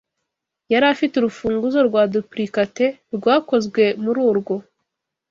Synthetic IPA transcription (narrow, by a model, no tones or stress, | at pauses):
jaɾaːfituɾufuːŋɡuzo̞ɾɡwaːdupɾikate̞ɾɡwaːko̞zɡwe̞muɾuːɾɡo̞